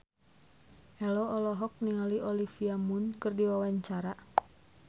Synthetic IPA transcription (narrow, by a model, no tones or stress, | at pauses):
ʔɛlɔɔlɔɦɔk̚niŋaliʔɔlifiamʊnkɨrdiwawaɲt͡ʃaɾa